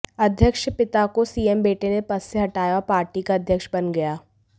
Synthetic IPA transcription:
ɐd̪ʱjəkʃpɪt̪akosiːembeːʈenẽpɐsːeɦɐʈaːjapaːɾʈikaɐd̪ʱjəkʃbɐnɡɐjaː

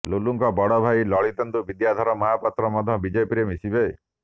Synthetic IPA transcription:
luluŋkɔbɔɽɔbʱajlɔɭit̪ɔnd̪ubid̪jad̪ʱɔɾɔmaɦapɔt̪ɾɔmɔd̪ʱɔbid͡ʒepiɾemisibej

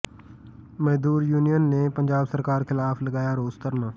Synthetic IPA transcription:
məɦd̪uːɾjuːnijənːeːpə̃ɲd͡ʒaːbsəɾkaːɾkɪlaːfləɡaːjaɾoːzt̪əɾmaː

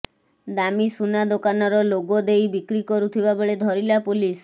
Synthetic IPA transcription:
d̪amisunad̪okanɔɾɔloɡɔd̪ejbikɾikɔɾut̪ʰibaboɭed̪ʱɔɾilapulis

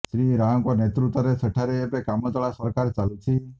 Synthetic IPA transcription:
ʃɾiɾaə̃ŋkɔnet̪ɾut̪aɾesəʈʰaɾeːpekamɔt͡ʃəɭasəɾkaɾt͡ʃalut͡ʃʰi

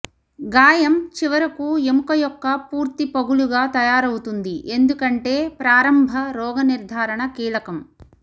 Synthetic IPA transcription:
ɡaːjɐmt͡ʃiʋɐɾɐkuemkɐjɔkːɐpuːɾt̪ipɐɡuluɡaːt̪ɐjaːɾɐwut̪und̪iʔe̞nd̪ukɐɳʈe̞ːpɾaːɾɐmbʱɐɾɔːɡɐniɾd̪ʱaːɾɐɳɐkiːlɐkɐm

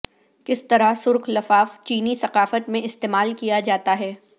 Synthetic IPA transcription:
kɪst̪ɐɾasʊɾqlɐfaːft͡ʃiːnisɐqaːfət̪mẽɪst̪eːmaːlkijad͡ʒaːt̪aɦɛː

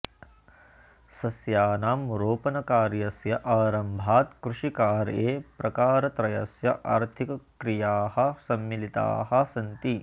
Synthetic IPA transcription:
sɐsjaːnaːmuɾoːpɐnɐkaːɾjɐsjɐʔaːɾɐmbʱaːt̪kɾuʂikaːɾjeːpɾɐkaːɾɐt̪ɾɐjɐ̰sjɐʔaːɾt̪ʰikɐkɾijaːhɐ̆sɐmːilit̪a̰ːɦɐ̆sɐnt̪i

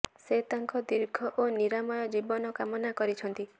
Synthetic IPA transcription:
set̪aŋkɔd̪iɾɡʱɔʔoniɾamɔjɔd͡ʒibɔnɔkamɔnakɔɾit͡ʃʰɔnt̪i

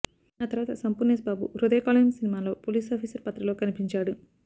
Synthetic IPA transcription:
aːt̪ɐɾʋaːt̪ɐsɐmpunesbaːbṵɾud̪eːkaːlɐmsinimaːlo̞ːpoːliːsaːpʰiːsɐɾpɐt̪ːɾɐlo̞ːkɐnipiɲt͡ʃaːɽu

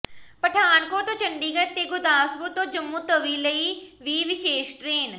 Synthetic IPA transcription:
pəʈʰaːnkoːɾt̪õːt͡ʃənɖ̪iːɡət̪eːɡʊd̪aːsbʊɾt̪õːd͡ʒəmːũːt̪əʋiːləiːʋiːʋɪʃeːʃʈɾeːn

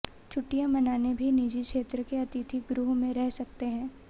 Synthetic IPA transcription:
t͡ʃʰʊʈːijãmɐnaːnebʱiniːd͡ʒikʃeːt̪ɾəkeɐt̪it̪ʰiɡɾʊɦmẽɾɛɦsɐk̚t̪eɦɛ̃ː

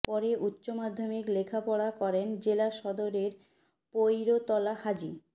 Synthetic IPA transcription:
pɔɾeʔutːɕomad̪ʱːomiklekʰapɔɽakɔɾend͡ʑelaʃɔd̪oɾeɾ | pojɾot̪ɔlahad͡ʑi

